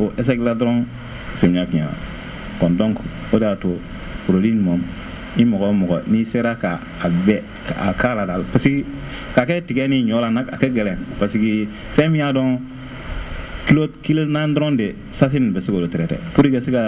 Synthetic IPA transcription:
oʔɛs̬ɛkiladɔɾɔ̃ | semĩɲakĩã̰ã̰ | kɔ̃dɔ̃ŋkodeato | puɾodĩɲumãm | nimɔɡɔmɔɡɔniseɾakaːbɛ | akaladalapasiki | kakɛtiɡɛnĩɲɔlãnaakɛɡɛlɛ̃paski | fɛ̃mĩjadɔ̃ | kilokilonãdɾɔ̃de | sas̬inĩbɛsekolotɛɾɛtɛ̰puɾikaseka

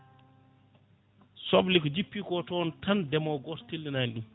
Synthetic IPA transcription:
sɔblikɔd͡ʒipːiːkɔtɔntʰandɛmɔɡɔttilːinajnɗum

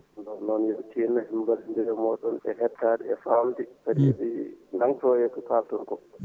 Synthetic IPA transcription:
ndɔnɔnjɛt͡ʃiːnːahimbalindiɾɛmɔːɗɔnɛ̰hɛtːaːɗɛɛfamdisadiɗinaŋtɔjɛtukaːltɔŋkɔ

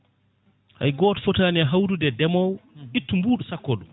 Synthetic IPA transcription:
ha̰jɡɔːtfɔtaːnɛɦawdudɛdɛmɔwʔitːumbuːɗusakːɔɗum

